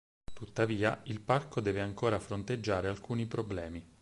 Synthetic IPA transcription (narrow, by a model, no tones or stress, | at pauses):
t̪ut̪ːaviːa̰ilparkod̪ɛːveaŋkoːɾafɾont̪ed͡ʒːaːɾealkuːnipɾoblɛːmi